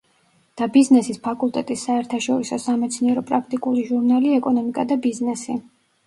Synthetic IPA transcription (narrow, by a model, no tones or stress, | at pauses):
d̪̥abiznɛsispʰakʼulˠt̪ʼɛt̪ʼisːaɛɾt̪ʰaʃɔɾisɔsamɛt̪sʰniɛɾɔpʼɾak̚ʰt̪ʼikʼuliʒuɾnaliɛkʼɔnɔmikʼad̪abiznɛsi